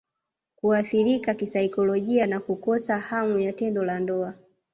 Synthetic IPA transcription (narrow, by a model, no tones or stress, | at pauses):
kuaθiɾikakisaikɔlɔʄianakukɔsahamujatɛndɔlandɔa